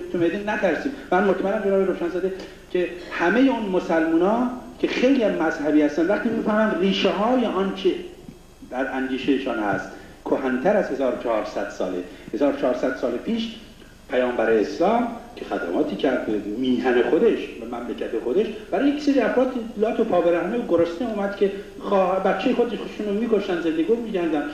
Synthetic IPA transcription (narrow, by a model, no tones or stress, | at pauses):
t̪ʰumed̪innæt̪ʰæɾsiːmmænmot̪mælːæmd͡ʒeɒːbeɾoʃænzɒd̪e | cʲʰe̞hæme̞jeonmosælmuːnɒːcʲʰexejliæzmæzhæbiːhæst̪ænd̪væχt̪iːmifæhmænd̪riːʃeɦɒːjeʔɒnt͡ʃʰe | d̪æɾæŋd̪iːʃejeʃɒːnhæst̪ | kʰohænt̪ʰæɾæz̥he̞zɒːɾot͡ʃʰɑhɒːɾsæd̪̥sɒ̰ːlḛhe̞zɒːɾot͡ʃʰɒːɾsæd̪̥sɒːlepʰiːʃ | pʰæjɒːmbæɾeːslɒːmcʰexæ̰d̪æ̰mʔɒ̰ːt̪ʰiːcʰæɾd̪miːhænexod̪eʃbæmæmlecʰæt̪exo̞d̪e̞ʃb̥æɾɑːjekseɾiæfɾɒːt̪ilɒːt̪ʰopʰɒːbeɾæhneoɡoɾost̪euːmæd̪kʰe̞ | χːbæt̪t͡ʃʰːejexod̪eʃʃunomiːkʰoʃt̪ænze̞nd̪eɡiːmiːɟæɾd̪ænd̪